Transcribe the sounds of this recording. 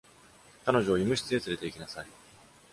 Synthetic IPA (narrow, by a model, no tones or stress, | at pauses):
kano̞ʑo̞ːjimɯ̟ɕi̥t͡sɨet͡sɨɾe̞t̪e̞ikʲinasai